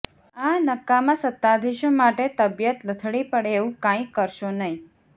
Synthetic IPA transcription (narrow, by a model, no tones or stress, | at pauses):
anəkːamãsət̪ːad̪ʱiʃõmaʈet̪əbjət̪lət̪ʰɽipəɽeːʋũkãĩkəɾʃonəɦĩ